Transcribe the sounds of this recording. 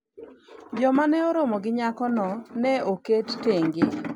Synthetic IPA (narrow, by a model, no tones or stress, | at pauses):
d͡ʒɔmanɛoɾomɔɡɪɲakɔnɔnɛoketteŋɡɪ